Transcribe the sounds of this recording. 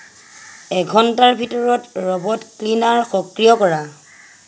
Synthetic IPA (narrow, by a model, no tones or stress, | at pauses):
ɛɡʱɔntaɹbʱitɔɹɔtɹɔbɔtklinaɹxɔkɹijɔkɔɹa